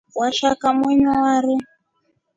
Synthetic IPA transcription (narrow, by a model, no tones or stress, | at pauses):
waʃakamiɲɔwaɾi